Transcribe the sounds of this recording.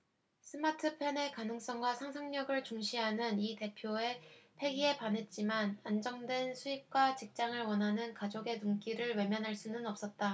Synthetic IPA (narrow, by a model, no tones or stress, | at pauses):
sʰɯmatʰɯpʰene̞kanɯŋs͈ʌŋɡwasʰaŋsʰaŋɲʌɡɯɭt͡ɕuŋɕʰiɦanɯnite̞pʰjoe̞pʰe̞ɡie̞pane̞t̚t͡ɕ͈imanand͡ʑʌŋdwe̞nsʰuip̚k͈wat͡ɕik̚t͡ɕ͈aŋɯɭwʌnɦanɯnkad͡ʑoɡe̞nuŋk͈iɾɯɭwe̞mjʌnɦaɭs͈unɯnʌp̚s͈ʌt̚t͈a